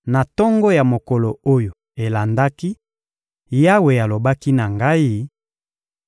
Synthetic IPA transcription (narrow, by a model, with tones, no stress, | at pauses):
na˨tɔ˦ŋɡɔ˦ja˨mo˨kɔ˨lo˨o˦jo˨ | e˨la˨nda˦ki˦ | ja˦we˨ja˨lo˨ba˦ki˦na˨ŋɡa˦i˦